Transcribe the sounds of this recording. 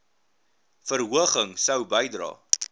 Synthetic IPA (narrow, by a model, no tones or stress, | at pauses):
fərɦuəχəŋsəwbəjdrɑ̰ː